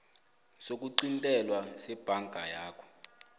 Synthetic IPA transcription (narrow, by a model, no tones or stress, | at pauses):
sok̬uǃintʼɛlwasɛb̥ʱaŋɡʱajaːkʰɔ̥